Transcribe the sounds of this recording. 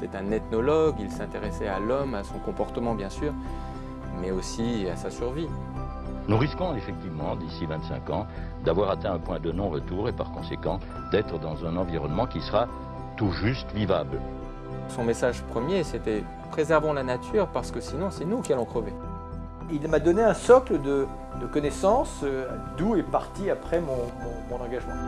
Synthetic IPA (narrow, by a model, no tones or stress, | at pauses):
et̪ɛt̪ɛ̃net̪nɔlɔɡilsɛ̃t̪eʁesɛalɔmasɔ̃kɔ̃pɔʁt̪əmɑ̃bjɛ̃syːʁ | mɛosiasasyʁvi | nuʁiskɔ̃efɛk̚t̪ivmɑ̃d̪isivɛ̃t̪sɛ̰̃kɑ̃ | d̪avwaʁat̪ɛ̃ɛ̃pwɛ̃d̪ənɔ̃ʁət̪uʁepa̰ʁkɔ̃sekɑ̃ | d̪ɛt̪χəd̪ɑ̃zɛ̃nɑ̃viʁɔnmɑ̃kʲisəʁa | t̪uʒyst̪vivabl | sɔ̃mesaʒpχəmjeset̪ɛ | pχezɛʁvɑ̃lanat̪ʰyːʁpaʁsə̥kəsinɔ̃sɛnukʲialɔ̃kχəve | ilmad̪ɔneɛ̃sɔkləd̪ə | d̪əkɔnɛsɑ̃sd̪uepaʁt̪iapχɛmɔ̃mɔ̃mɔ̃nɑ̃ɡaʒmɑ̃